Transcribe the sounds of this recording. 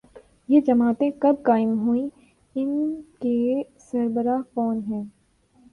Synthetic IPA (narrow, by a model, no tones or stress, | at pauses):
jed͡ʒɐmaːt̪ẽkɐb̚kaːɪmɦuĩ | ɪnke | sɐɾbəɾakɔːnɦɛ̃ː